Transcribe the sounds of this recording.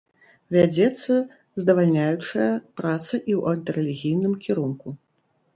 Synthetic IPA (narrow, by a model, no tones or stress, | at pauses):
vʲad͡zʲɛt̪sːɐ | zd̪ɐvalʲnʲajut͡ʂɐjɐpɾat̪sɐʔiwʔɐnt̪ɐɾɛlʲiɣʲijnɨmkʲiɾunku